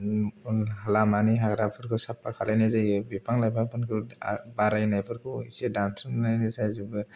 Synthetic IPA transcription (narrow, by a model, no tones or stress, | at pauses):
ɦalamaniɦaɡɾapʰɯɾkʰɯsapːakʰalajnazajbipʰaŋlajbapʰɯnkʰɯbaɾajnajpʰɯɾkʰuisedansɯnnajnizajzubɯ